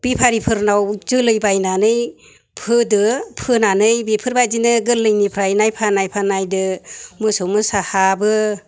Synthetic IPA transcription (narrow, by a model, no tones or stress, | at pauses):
b̥ipʰaɾipʰɯɾnawzɯlɯjbajnanɯj | pʰɯdɯpʰɯnanɯjbipʰɯɾbajdinɯɡɯlːɯjnipʰɾajnajpʰanajpʰanajdɯmɯsowmɯsahabɯ